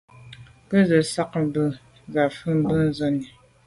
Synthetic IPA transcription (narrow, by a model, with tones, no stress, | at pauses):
pə˦zə˨sa˦k̚m˦bə˦ | za˨fə˦m˦bə˦n̩˦zɔ˦ni˨